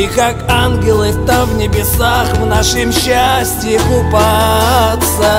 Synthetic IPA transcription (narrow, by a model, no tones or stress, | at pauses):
ikakanɡʲɪlˠɨt̪amvnʲɪbʲɪsaχvnaʂɨmɕːasʲtʲɪɪkʊpat̪sə